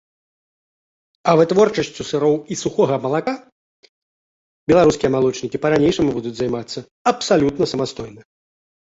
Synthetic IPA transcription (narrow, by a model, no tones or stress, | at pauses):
ɐvɨt̪vɔrt͡ʂɐsʲt͡sʲusɨɾɔwisuxɔɣɐmɐlˠaka | bʲɛlˠaɾuskʲijɐmalˠɔt͡ʂnʲikʲipɐɾanʲejʂɐmubud̪ud͡zʲzajmat̪sːɐ | ɐpsalʲut̪nɐsɐmast̪ɔjnɐ